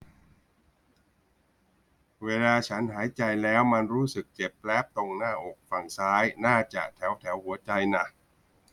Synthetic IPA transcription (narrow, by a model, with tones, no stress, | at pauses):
weː˧laː˧t͡ɕʰa˦˥nɦaː˩˦jt͡ɕa˧jlɛː˦˥wma˧nɾuː˦˥sɯ˨˩k̚t͡ɕe˨˩pːlɛ˦˥p̚t̪o˧ŋnaː˥˩ʔoː˨˩k̚fa˨˩ŋsaː˦˥jnaː˥˩t͡ɕa̰˨˩ʔt̪ʰɛ˩˦wt̪ʰɛ˩˦wɦu˩˦ɐt͡ɕa˧jna˨˩